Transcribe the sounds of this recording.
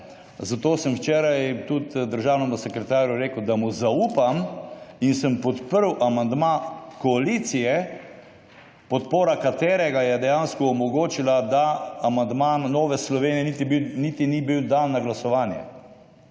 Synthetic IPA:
zat̪oːsəmwt͡ʃɛːɾajt̪ut̪d̪əɾʒaːwnɔnɔsɛkɾɛt̪aːɾjuɾeːkəwd̪amuzauːpaminsəmpɔt̪pəɾwʔamand̪makɔalit̪sijɛ | pɔt̪poːɾakat̪eːɾɛɡajɛd̪ɛjanskɔːmɔɡoːt͡ʃilad̪aːmand̪manːɔːʋɛslɔʋeːnijɛnit̪ibinit̪inibiwd̪annaɡlasɔʋaːnjɛ̰

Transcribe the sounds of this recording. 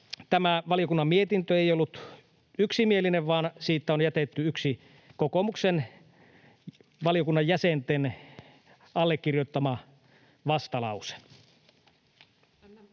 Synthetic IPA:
t̪æmæʋɑlijokunːɑmmiet̪int̪øejolːut̪ | yksimielineʋʋɑːnsiːt̪ːˑæonjæt̪et̪ːyyksi | kokomuksen | ʋɑlijokunːɑjjæsent̪en | ɑlːekːirjot̪ːɑmɑ | ʋɑst̪ɑlɑ̰use̥

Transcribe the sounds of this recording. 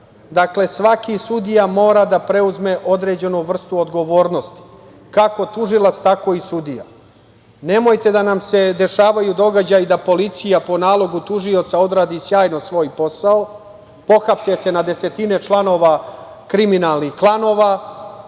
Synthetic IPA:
d̪akle̞sʋakisud̪ijamo̞ːɾad̪apɾe̞uzme̞ʔo̞d̪ɾe̞d͡ʑe̞nuʋr̩st̪uod̪ɡo̞ʋo̞ːɾno̞st̪i̥ | kako̞t̪uʒilˠat̪st̪ako̞ːisud̪ija̰ | ne̞mojt̪e̞d̪anamse̞d̪e̞ʃaːʋajud̪o̞ɡad͡ʑajid̪apo̞lit̪sijapo̞naːlˠo̞ɡut̪uʐio̞t̪sao̞d̪ɾaːd̪isjaːjno̞sʋo̞ːjpo̞sao | po̞xapsese̞nad̪e̞se̞t̪ine̞t͡ʃlˠano̞ːʋa | kɾiminalˠnixklˠano̞ːʋa

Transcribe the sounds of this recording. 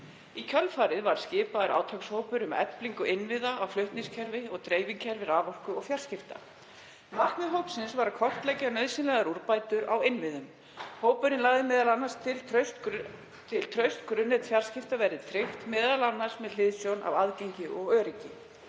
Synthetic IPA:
icʰœlfaːɾɪðvaɾ̥scɪːpaðʏɾʔa̰ːwt̪ʰakshowpʏɾʏmɛ̰pliŋkʏɪnvɪðaawflʏht̪nɪŋscʰɛɾvɪɔɣt̪ɾeːjviŋcʰɛɾvɪɾaːvɔr̥kʏɔɣfjar̥scɪft̪a̰ | marknʏɦowpsɪnsvaɾakʰɔr̥t̪lɛcanœɥðsɪnlɛɣaɾuɾpajt̪ʏɾawɪnvɪðʏm | hoːwpʏɾɪnlaːɣðɪmɛːðalanːastɪ | t̪ʰɪlt̪ʰɾœɥst̪kɾʏnːɛt̪fjar̥scɪft̪avɛɾɪðt̪ʰɾɪht̪mɛːðalanːaɾsmɛðl̥ɪðsjowna̰vaðcejɲcɪʔɔɣœːɾɪcɪ

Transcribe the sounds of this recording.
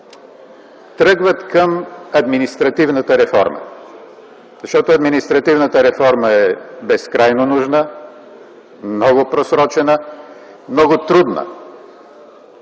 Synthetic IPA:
t̪ɾɤɡvət̪kəmɐd̪minist̪ɾɐt̪ivnət̪əɾɛfɔ̰ɾmə̰ | zɐʃt̪ɔt̪ʊɐd̪minist̪ɾɐt̪ivnət̪əɾɛfɔɾməɛbɛskɾajnonuʒnə | mnɔɡʊpɾosɾɔt͡ʃɛnə | mnɔɡʊt̪ɾud̪nə̰

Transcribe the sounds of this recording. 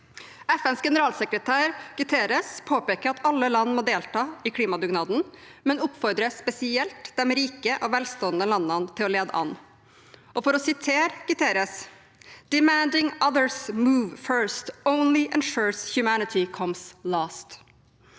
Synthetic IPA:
ɛfɛnsɡɛnəɾɑːlsɛkɾət̪ʰæːɾɡ̥ɪt̪ʰeːɾəspʰoːpeːkəɾɑt̪ɑlːəlɑnːmɔd̪eːlt̪ʰɑːɪkʰliːmɑd̪ʉɡnɑːd̪n̩mɛnʊpfɔɾd̪ɾəspɛsɪɛlt̪d̪ɛmɾiːkəʔɔʋɛlst̪oːənd̪əlɑnːənt̪ʰɪlɔleːd̪ə̰ʔɑ̰nː | ʔɔfɔɾɔsɪt̪ʰeːɾɡ̥ɪt̪ʰeːɾəs | d̪̥ɪmænd̪ɪŋʌðəɹsmuːʋfɜɹst̪õʊnlɪʔɛnʃɔːɹshjʊmænɪt̪ʰɪkʰɔmslɑːst̪

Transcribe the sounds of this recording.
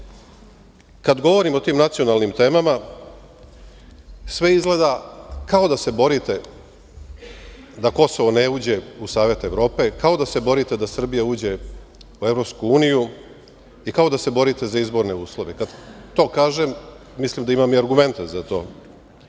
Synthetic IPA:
kad̪ɡo̞ʋo̞ɾimo̞t̪iːmnat̪sijo̞nalnimt̪e̞ːmama | sʋe̞izɡle̞ːd̪akao̞d̪ase̞bo̞ɾit̪e̞ | d̪ako̞so̞ʋoneuːd͡ʑe̞usaːʋe̞t̪eʋɾo̞ːpe̞kao̞d̪ase̞bo̞ɾit̪e̞d̪asr̩bijauːd͡ʑe̞uevɾo̞pskuuːniju | ikao̞d̪ase̞bo̞ɾit̪e̞zaizbo̞ɾne̞uːslˠo̞ʋekad̪t̪o̞ːkaːʒemː | islimd̪aimamiaɾɡume̞nt̪ezat̪o̞̰ː

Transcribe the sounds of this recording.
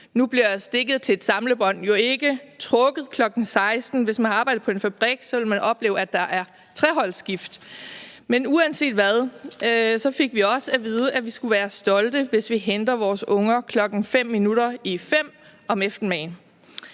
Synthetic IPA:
nub̥liɐjɑsd̥e̝ɡ̥ð̩ˠt͡sʰe̝d̥sɑ̈mləb̥ɒ̽n̰jo̝e̝ɡ̥ət͡sʰʁɔ̽ɡ̥əð̞̩ˠkʰlɒ̽ɡ̥n̩sɑ̈ɪsd̥n̩ʋe̝smænɑ̈ːb̥ɑ̈ɪ̰d̥̩ˠpʰɒ̽e̝nfæb̥ʁiɡ̥sɒ̽ʋe̝lmænɒ̽b̥le̝̰ːʊæd̥ɑ̈ʔæɐ | t͡sʰʁɛɦɒ̽l̰sɡ̥ifd̥menuænse̝̰ːd̥ʋæðˠ | sɒ̽fe̝ɡ̥ʋiɒ̽səæʋiːð̞ˠəʔæʋisɡ̥uʋæːɐsd̥ɒ̽ld̥əʋe̝sʋiɦend̥ɐʋɒːsɔ̽ŋɐkʰlɒ̽ɡ̥n̩fem̰ːinuɾɐifem̰ | ɒ̽mefd̥n̩mɛɪn

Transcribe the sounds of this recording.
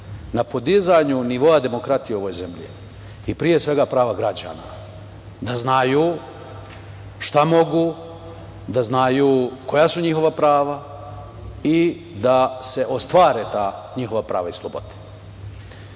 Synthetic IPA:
napo̞d̪izaɲuniʋo̞ad̪e̞mo̞kɾat̪ijeo̞ʋojze̞mʎḭ | ipɾije̞sʋe̞ɡapɾaːʋaɡɾad͡ʑa̰ːna̰ | d̪aznajuː | ʃt̪amo̞ɡu | d̪aznajuko̞jasuɲixo̞ʋapɾaːʋa | i | d̪ase̞ʔo̞st̪ʋaːɾet̪aː | ɲixo̞ʋapɾa̰ːʋaislˠobo̞̰d̪e̥

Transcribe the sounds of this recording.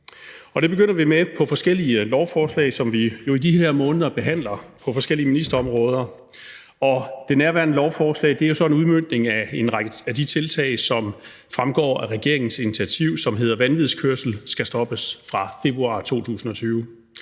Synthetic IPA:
ɒ̽d̥e̝b̥e̝ɡ̥øn̰ɐʋimepʰɒ̽fɒ̽sɡ̥el̰iəlɒʊfɒːslɛ̰ɪsɒ̽mʋijo̝idiheɐ̰mɔ̽ːnəð̞ˠɐb̥e̝ɦæn̰lɐpʰɒ̽fɒ̽sɡ̥el̰iəminisd̥ɐɒ̽mʁɔ̽ːð̞ˠɐ | ɒ̽d̥e̝næɐʋæɐnəlɒʊfɒːslɛ̰ɪd̥e̝æɐjo̝sɒ̽e̝nuð̞ˠmøn̰d̥ne̝ŋæe̝nʁaɡ̥əæd̥it͡sʰe̝lt͡sʰɛ̰ɪsɒ̽m | fʁamɡ̥ɒ̰ːæʁɛɡ̥e̝ɐe̝ŋn̩sinit͡sʰiæt͡sʰiʊ̰sɒ̽mɦe̝ðˠɐʋænʋiðˠskʰøɐsl̩sɡ̥æsd̥ɒ̽b̥əsfʁɑ̈fe̝b̥ʁuɑ̈ːt͡sʰo̝̰ːt͡sʰṵːsn̩ɒ̽t͡sʰyːʊ

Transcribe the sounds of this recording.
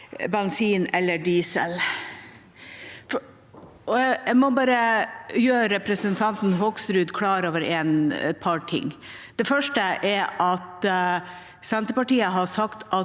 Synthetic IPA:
bɛnsiːnɛlːəɖiːsə̰l | f | ɔjɛmɔbɑːɾəjøːəɾɛpɾəsənt̪ʰɑnt̪n̩ɦɔksɾʉːd̪kʰlɑːɾoːʋəɾɛːnɛ̰t̪̚pʰɑɾʈʰɪ̰ŋː | d̪̥ɛfœʂʈəʔɛɾɑt̪ | sɛnt̪əpɑʈiːəɦɑʂɑkt̪ʔɑ

